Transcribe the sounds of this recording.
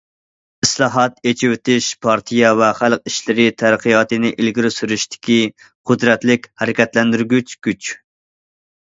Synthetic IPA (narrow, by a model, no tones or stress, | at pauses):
ɪslˠɑːɦɑt̪et͡ʃʰiwɪt̪ʰɪʃpʰɑɾt̪ʰijɑvɛχælˠqiʃlɪɾɪt̪ʰæɾqʰɨjɑːt̪ɨnɪʔilɡʲiɾɪsyɾyʃt̪ɪ̥kʲi | qʰʊd̪ɾɛt̪lɪkʲhɛɾɪkʲɛt̪lɛnd̪yɾɡʲyt͡ʃɡʲyt͡ʃ